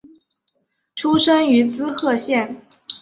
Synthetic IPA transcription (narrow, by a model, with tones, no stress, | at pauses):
ʈ͡ʂʰu˥ʂə˥ŋy˧˥t͡sɹ̩˥xɤ˥˧ɕjɛ˥˩n